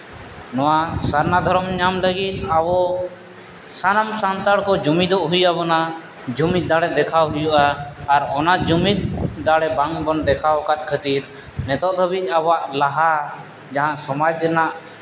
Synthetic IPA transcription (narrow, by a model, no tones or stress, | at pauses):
nɔwasaɾnad̪ʱɔɾɔmɲamləɡit̪̚awɔ | sanamsant̪aɽkɔd͡ʒumid̪ɔʔɦujabɔna | d͡ʒumit̪̚d̪aɽɛd̪ɛkʰawɦujuʔaːɾɔnad͡ʒumit̪̚d̪aɽɛbaŋbɔnd̪ɛkʰawkat̪̚ˀkʰət̪iɾ | nɛt̪ɔʔd̪ʱɔbit̪̚abaʔlaɦa | d͡ʒaɦãʔsɔmad͡ʒd̪ɛnaʔ